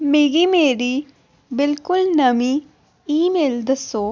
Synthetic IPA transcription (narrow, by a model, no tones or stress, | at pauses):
miɡimeːɾi | bilkulnɐmi | iːmeːld̪ɐsoː